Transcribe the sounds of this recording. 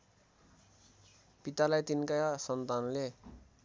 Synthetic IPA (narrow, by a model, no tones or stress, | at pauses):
pit̪alajt̪inkajsʌnt̪anle